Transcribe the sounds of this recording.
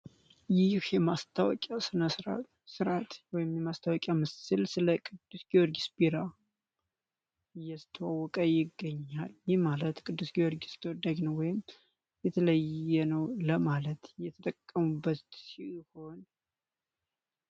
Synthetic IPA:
jɪhjɛmast̪ʰawɔ̰kʼasɨnəsɾa̰ | sɨɾat̪wɔjɪmjɛmast̪ʰawɔkʼjamɨsɨlsɨləkʼɨd̪̥ːusɡioɾɡisbiɾa | ɨjːast̪ʰːəwawɔkʼəjɪɡːəɲːaljɪhmalət̪kʼɨd̪ːusɡiwɔɾɡist̪ʰəwɔd̪ad͡ʒnəwwɔjɪm | jɛt̪ʰələjɛnəwləmalət̪jɛt̪ʰət̪ʼəkʼːəmubːət̪siho̞n

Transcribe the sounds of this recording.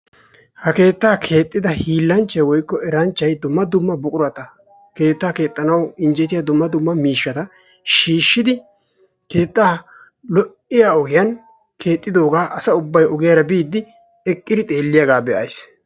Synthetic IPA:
hɐke̞ːt̪ːaːkʰe̞ːt̪ʼːɪd̪ɐhiːlːɐnt͡ʃːɐjwɔjkːɔɛɾɐnt͡ʃːɐjd̪ʊmːɐd̪ʊmːɐbʊkʼʊɾɐt̪ɐ | ke̞ːt̪ːaːke̞ːt̪ʼːɐnɐwɪnd͡ʒɛt̪ɪjɐd̪ʊmːɐd̪ʊmːɐmiːʃːɐt̪ɐ | ʃiːʃːɪd̪ɪ | ke̞ːt̪ʼːaː | lɔʔɪjaːɔɡɪjɐn | kʰe̞ːt̪ʼːɪd̪o̞ːɡaːʔɐsɐʊbːɐjɔɡɪjaɾɐbiːd̪ːɪ | ɛkʼːɪd̪ɪt̪ʼe̞ːlːɪjaɡaːbɛʔɐjs

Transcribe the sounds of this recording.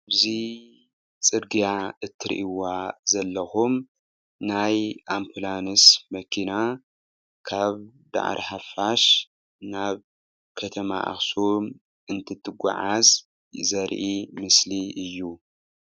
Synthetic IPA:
bzi | t͡sʼɨɾɡijaɨt̪ʰːɨɾ̰ʔiwazɐlːɐxum | najʔampʰlanɨsmɐkʰina | kʰaβd̪a̰ʕɾʔiħafaʃ | naβ | kʰɐt̪ʰɐma̰ʔa̰xsum | ɨnt̪ʰɨt̪ʰːɨɡʷa̰ʕaz | zɐɾʔimɨsliɨjːu

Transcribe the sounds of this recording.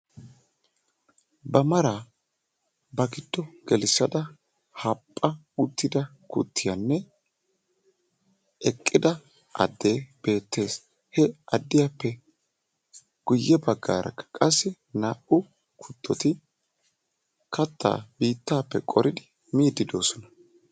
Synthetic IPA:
bɐmɐɾaː | bɐɡɪd̪ːɔɡ̥ɛlɪsːɐd̪ɐ | hɐpʼːɐ | ʊt̪ːɪd̪ɐ | kʊ̰t̪ːɪjɐnːɛ | ʔɛkʼːɪd̪ɐ | ʔɐ̰d̪ːe̞ːb̥e̞ːt̪ːe̞ːs | hɛɐd̪ːɪjapːɛ | ɡ̥ʊjːɛbɐɡːa̰ːɾʔɐ̰kːɐ̥kʼɐsːɪ | naːʔʊ | kʰʊt̪ːɔt̪ɪ | kɐt̪ːa̰ːbiːt̪ːaːpːɛkʼɔɾʔɪd̪ɪ | miːd̪ːɪd̪o̞ːsɔnɐ

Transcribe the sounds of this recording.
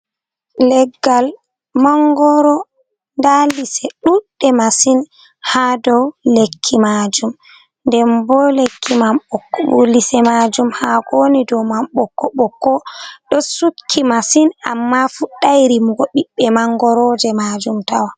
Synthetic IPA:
lɛɡːal | maŋɡɔɾɔ | ndalisɛɗuɗːɛmasin | hadɔwlekʰːimad͡ʒum | ndɛmbɔlekʰːimamɓɔkːɔɓulisɛmad͡ʒumhaɡonidɔmamɓɔkːɔɓɔkːɔɗɔsukʰːimasina̰mːafuɗːajɾimuɡɔɓiɓːɛmaŋɡɔɾɔd͡ʒɛmad͡ʒumtawa

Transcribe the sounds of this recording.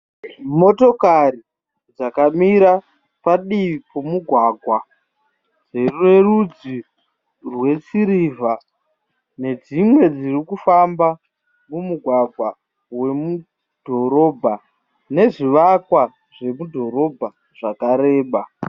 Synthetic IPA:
mo̞to̞kari | d͡zakamiɾa | paɗiʋipomuɡʱwaːɡʱwa | d͡zerue̞rud͡zi | rwe̞t͡siɾiva | ne̞d͡zimwe̞d͡zirikufamba | mumuɡʱwaɡʱwa | we̞mu | d̥ʱo̞ɾo̞ːbʱa | ne̞ʐiʋakwa | ʐe̞mudʱo̞ɾo̞bʱa | ʐ̥akaɾe̞ːɓa

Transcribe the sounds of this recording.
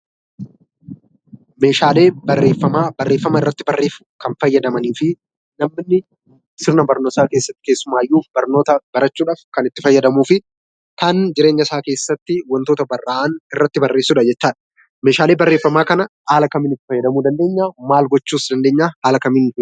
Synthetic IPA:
me̞ːʃaːle̞ːbɐrːeːfːɐmaːbɐrːe̞ːfːɐmɐɪrːɐt̪ːɪbɐrːeːfʊ̥kɐnfɐjːɐd̪ɐmɐniːfɪ | nɐmːɪnːɪ | sɪɾnɐbɐɾnoːsaːke̞ːsːɐt̪ːɪ̥keːsːʊmaːjːuːfbɐɾno̞ːt̪ɐbɐɾɐt͡ʃːuːᶑaːfkɐnɪt̪ːɪfɐjːɐd̪ɐmuːfɪ | kand͡ʒɪɾe̞ːɲːɐsaːke̞ːsːɐt̪ːɪwɐnt̪oːt̪ɐbɐrːaːʔɐnɪrːɐt̪ːɪbɐrːe̞ːsːuːᶑɐd͡ʒɛt͡ʃːaːᶑɐ̥ | meːʃaːle̞ːbɐrːe̞ːfːɐmaːkɐnɐhaːlɐkɐmɪnɪt̪ːɪfɐjːɐd̪ɐmuːd̪ɐnd̪e̞ːɲːaːmaːlɡɔt͡ʃːuːsd̪ɐnd̪e̞ːɲːaːhaːlɐkɐmɪn

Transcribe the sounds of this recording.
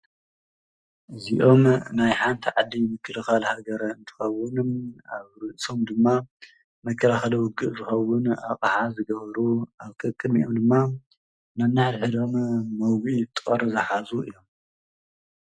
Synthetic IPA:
ʔɨziʔo̞mnajħant̪ʰiʕad̪ːimɨkʰːɨlɨxalhaɡɐɾɐɨnt̪ʰɨ̥xɐwʊnmaβɾɨʔsʼo̞md̪ɨmːa | mɐkʰːɐlaxɐlɐwʊɡːɨʔzɨxɐwʊnaqʼaħazɨɡɐβɐɾuaβkʼɨkʼɨd̪miʔo̞md̪ɨmːa | nanaʕd̪ħɨd̪o̞mmɐwɡit̪ʼɐɾzɐħazuʔɨ̰jːo̞m

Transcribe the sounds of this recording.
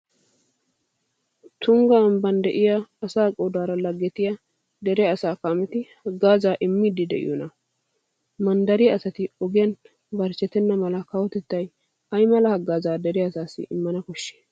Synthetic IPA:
t̪ʊŋɡɐːmbɐnd̪ɛʔɪjaːsaːkʼɔd̪aːɾɐlɐɡːɛt̪ɪja | d̪ɛɾɛɐsaːkɐmɛt̪ɪhɐɡːaːzaːʔɪmːiːd̪ɪd̪ɛ̰ʔɪ̰jɔnɐ | mɐnd̪ɐɾɪjɐsɐt̪ɪɔɡɪjɐn | bɐɾt͡ʃːɛt̪ːɛnːɐmɐlɐkɐwɔt̪ɛt̪ːɐj | ɐjmɐlɐhɐɡːaːzaːd̪ɛɾɛɐsaːsːɪ̰ʔɪmːɐnɐkɔʃːe̥ː

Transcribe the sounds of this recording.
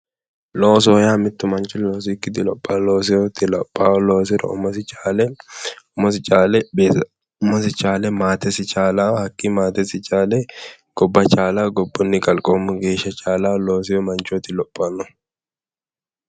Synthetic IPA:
loːs̬ɔːjaːmɪt̪ːʊmɐnt͡ʃːʊloːs̬ikːɪd̪ɪlɔpʼːɐloːs̬ɪjɔt̪ːɪlɔpʼːaːlo̞ːsɪɾɔ̰ʊ̰mɐsɪt͡ʃʼalɛʊmɔsɪt͡ʃʼaːlɛbe | ʊmɔsɪt͡ʃʼaːlɛmaːt̪ɛsɪt͡ʃʼaːlahɐkʼːimaːt̪ɛsɪt͡ʃʼaːlɛ | ɡ̥ɔbːɐt͡ʃʼaːlaːɡɔbːɔnːɪkʼɐlkʼoːmːʊɡe̞ːʃːɐt͡ʃʼaːlaːloːs̬ɪjɔmɐnt͡ʃɔt̪ɪlɔpʼːɐnːɔ

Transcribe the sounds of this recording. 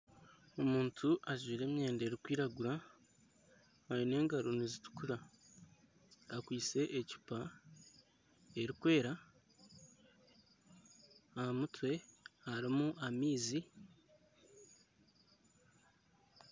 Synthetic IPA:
omuːntʰuʔaziːɾe̞ːmɲe̞ːnde̞ɾikwiːɾaɡuɾa | ajine̞ːŋɡaɾonizitu̥kuɾa | akwiːt͡se̞ʔecu̥pa | e̞ɾikwe̞ːɾa | ahamutwe̞haɾimuʔamiːzi

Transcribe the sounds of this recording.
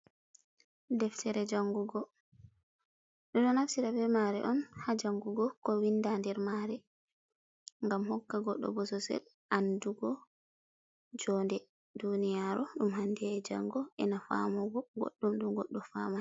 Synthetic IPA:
dɛftɛɾɛd͡ʒaŋɡuɡɔ | ɗɔɗɔnafsiɾabɛɾmaɾɛ̰ʔɔnhad͡ʒaŋɡuɡɔkɔwindandɛɾmaɾɛ | ŋɡamhɔkːaɡɔ̰ɗːɔ̰bɔsɔsɛ̰l | ʔanduɡɔ | d͡ʒɔndɛ | dunijaɾɔɗumhandɛɛd͡ʒa̰ŋɡɔʔɛnafa̰mɔɡɔɡo̰ɗːumɗumɡɔɗːɔfama

